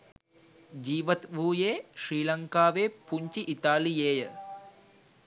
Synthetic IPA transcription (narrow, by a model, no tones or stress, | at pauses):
d͡ʒiːʋɐt̪ʋuːjeːʃɾiːlɐŋkaːʋeːpuɲt͡ʃiʔit̪aːlijeːjə